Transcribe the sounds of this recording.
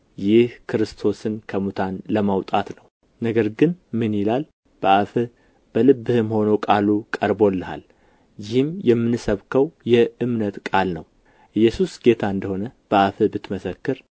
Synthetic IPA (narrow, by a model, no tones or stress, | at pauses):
jɪhkʰɨɾɨst̪ʰo̞sɨnkʰəmut̪ʰanləmawt̪ʼat̪nəw | nəɡəɾɡɨnmɨnjɪlal | b̥əʔafɨ | b̥əlɨbːɨhɨmho̞nowkʼalukʼəɾbo̞lːɨha̰l | jɪhɨmjɛmːɨnɨsəβkʰəwjɛɨmnət̪kʼalnəw | ʔɨjːɛsusɡ̥e̞t̪ʰaɨnd̪əho̞nəb̥əʔafɨbɨt̪ːməsəkːɨɾ